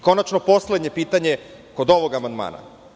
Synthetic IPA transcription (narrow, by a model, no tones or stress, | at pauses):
ko̞nat͡ʃno̞po̞sled̪ɲe̞piːt̪aɲe̞ | ko̞d̪o̞ʋo̞ɡamand̪ma̰ːna̰